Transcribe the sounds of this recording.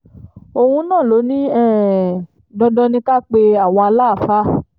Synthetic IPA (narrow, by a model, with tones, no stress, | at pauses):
o˧hũ˧nãː˦˨lo˨˦nĩ˦ɛ˦˨ | dɔ˧dɔ˧nĩ˧˦ka˦k͡pe˧a˦˨w̃ɔ̃˧a˧la˦˨fa˦